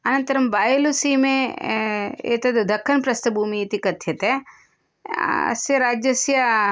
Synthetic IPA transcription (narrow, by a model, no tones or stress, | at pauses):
ɐnɐ̃nɐɾɐmbaːjelusimẽ | ḛːt̪ɐd̪ɐkʰːɐnpɾɐst̪ɐbʱumiet̪ikɐt̪ʰjet̪e | seɾaːd͡ʒjɐsja